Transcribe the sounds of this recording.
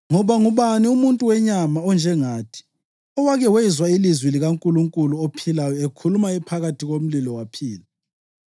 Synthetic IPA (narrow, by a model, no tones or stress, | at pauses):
ŋɔβaŋuβaniumuntʼuwɛɲamaɔnd͡ʒʱɛŋaːtʰi̥ | ɔwaɣɛwɛzwailizwiliɣaŋkʼuluŋkʼuluopʰilajɔekʰulumaɛpʰaɣatʰiɣom̩lilɔwapʰiːla